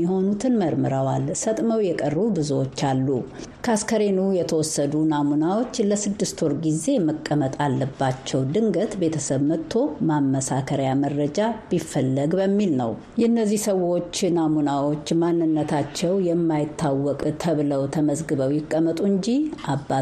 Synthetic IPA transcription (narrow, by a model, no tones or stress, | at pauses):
ɛho̞nut̪ʰɨnməɾmɨɾəwalsət̪ʼməwjɛkʼərubɨzuwo̞t͡ʃːalːu | kʰaskəɾenujɛt̪ʰəwɔsːəd̪unamunawo̞t͡ʃːləsɨd̪ːɨst̪wɔɾɡize̞məkʼːəmət̪ʼalːəbːat͡ʃːɛwd̪ɨŋɡət̪be̞t̪ʰəsəβmət̪ʰːo̞mamːəsakʰəɾajamərːəd͡ʒab̥ifːəlːəɡbəmːilnə̰w | jɛɨnːəzːihsəwo̞t͡ʃːnamunawo̞t͡ʃːmanːɨnːət̪ʰat͡ʃːɛwjɛmːajɪt̪ːawːɔkʼt̪ʰəβɨləwt̪ʰəməzɡɨβəwjɪkʼːəmət̪ʼuɨɲd͡ʒiʔabːa